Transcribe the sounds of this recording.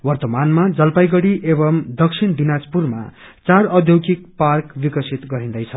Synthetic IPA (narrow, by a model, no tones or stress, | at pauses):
wʌrt̪ʌmanmad͡zʌlpajɡʌɽiʔebʌmd̪ʌksʰind̪inad͡zpurma̰t͡saɾʌd̪ʱjowkik̚parkbikʌsʰit̪ɡʌɾĩnd̪ʌjt͡sʰʌ